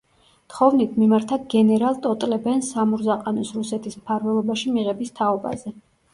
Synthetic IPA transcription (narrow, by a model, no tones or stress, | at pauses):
t̪χɔvnit̪ʰmimaɾt̪ʰaɡɛnɛɾalˠt̪ʼɔt̪ʼlɛbɛnsamuɾzaqʼanɔsɾusɛt̪ʰismpʰaɾvɛlˠɔbaʃimiʁɛbist̪ʰaɔba̰zɛ